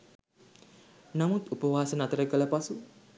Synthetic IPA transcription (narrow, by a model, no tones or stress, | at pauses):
namut̪upəʋaːsənat̪əɾəɡələpasu